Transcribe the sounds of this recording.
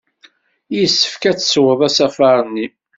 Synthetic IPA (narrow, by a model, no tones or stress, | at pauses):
jisːə̥fkæt͡sːswəðˤæsæfɑɾˤnːi